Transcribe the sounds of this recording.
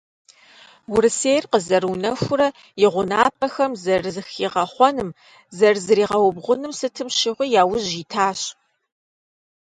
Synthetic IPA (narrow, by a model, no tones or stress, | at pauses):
wʊɾɨseːjrqəzɐruːnɐxʷʊɾɐ | jɪʁʷʊnaːp̚ʰʼɐxɐmzɐrzɨxiːʁɐχʷɔnɨm | zɐrzɨɾiːʁɐwʊbʁʷʊnɨmsɨtʰɨmʃɪʁʷijaːwʊʑiːtʰaːɕ